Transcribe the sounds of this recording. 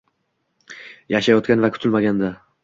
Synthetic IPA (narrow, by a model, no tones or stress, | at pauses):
jaʃajɒt̪̚kʲanvakʲʰʊ̥t̪ʰɪlmaɡʲand̪a